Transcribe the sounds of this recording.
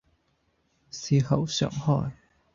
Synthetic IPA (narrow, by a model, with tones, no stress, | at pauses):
siː˨hɐ˨˥wsœ̰ː˨˩ŋhɔː˧˩j